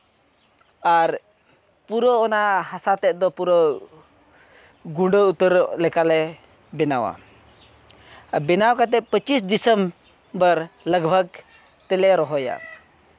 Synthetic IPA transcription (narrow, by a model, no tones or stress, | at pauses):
aɾ | puɾɔɔnahasat̪ɛʔ̚d̪ɔpuɾɔ | ɡuɖəut̪əɾlɛkalɛ | bɛnawa̰ | bɛnawkat̪̬ɛpət͡ʃisd̪isəm | bəɾləɡbʱəɡ̚ | t̪ɛlɛɾɔɦɔja̰